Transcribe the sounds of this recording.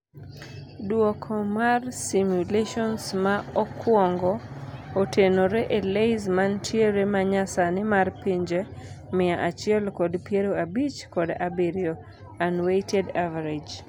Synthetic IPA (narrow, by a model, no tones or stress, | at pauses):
dwɔkʰɔmarsimjuleʃɔnsmaɔkwɔŋɡɔotʰenoɾeʔelejzmantʰjeɾemaɲasanɪmarpiɲd͡ʒe | mɪaʔat͡ʃɪɛlkɔdpjeɾoabit͡ʃkɔda̰biɾjo | anwetedavaɾed͡ʒ